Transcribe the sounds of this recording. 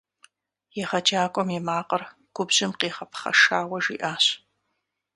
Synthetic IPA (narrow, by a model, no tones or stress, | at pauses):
jɛχɐd͡ʒaːkʷʼɔmjɛmaːqɐr | ɡ̥ʷʊbʑɪmqeːχɐpʰχɐ̰ʂaːwɐʒiːʔaːɕ